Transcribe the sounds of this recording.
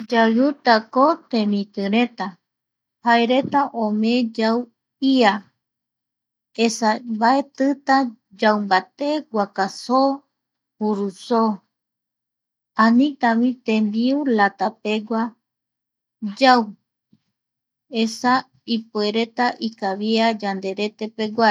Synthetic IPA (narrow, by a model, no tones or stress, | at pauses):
d͡ʒajut̪akot̪ẽmĩt̪ɨɾe̞t̪a | haeɾe̞t̪aʔõmẽd͡ʒaw | ia | esabaet̪ɨt̪a | d͡ʒawmbat̪e̞ɡʷakaso | puɾuso | ãnĩt̪amĩt̪ẽmbiulat̪ape̞ɡʷa | d͡ʒaw | esa | ipueɾe̞t̪aʔikaβiad͡ʒand̪e̞ɾe̞t̪e̞pe̞ɡʷae